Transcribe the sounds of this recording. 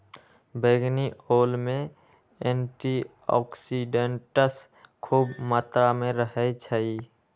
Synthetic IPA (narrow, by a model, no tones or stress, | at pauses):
beːɡnioːlmẽ | ẽːɳʈi | ɔ̰ːksiɖeɳʈəs | kʰuːbmət̪ɾamẽɾəɦɛt͡ʃʰəi